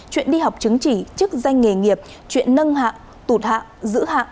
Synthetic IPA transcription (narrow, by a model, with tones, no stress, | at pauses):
t͡ɕwḭ˧˨ənɗi˧ɦa˨˩wk͡p̚t͡ɕɨ˨˦ŋt͡ɕi˧˩t͡ɕɨ˦˥k̚za˧jŋ̟ŋe˨˩ŋi˨˩əp̚ | t͡ɕwḭ˧˨ənːə˧nɦa̰ː˧˨ʔ | t̪u˧˩t̚ha̰ː˧˨wʔzɨ̰˧˥ɦa̰ː˧˨ʔ